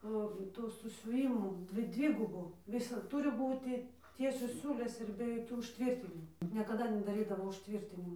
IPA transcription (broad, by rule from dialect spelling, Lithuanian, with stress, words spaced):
ˈoː ˈtuː sʊsʲʊˈʋʲiːmuː ˈdʲʋʲɪ ˈdʲʋʲɪɡʊbʊ ˈʋʲɪsɐt ˈtʊrʲɪ ˈbuːtʲɪ ˈtʲiɛsʲoːs ˈsʲuːlʲeːs ɪr bʲɛ joːˈkʲuː ʊʃʲˈtʲʋʲɪrʲtʲɪnʲɪmʊ nʲiɛkɐˈdɐ nʲɛdɐˈrʲiːdɐʋoː ʊʃʲˈtʲʋʲiːrʲtʲɪnʲɪmʊ